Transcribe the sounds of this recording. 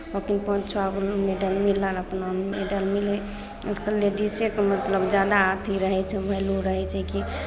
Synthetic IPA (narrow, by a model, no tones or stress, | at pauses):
bokinpə̃t͡ʃʰɔɡolmeɖəlmilələpnameɖəlmile | utkəleɖisekmət̪ləbd͡ʒad̪aːt̪ʰiɾəɦɛt͡ʃʰɛbʱəluɾəɦɛt͡ʃʰɛki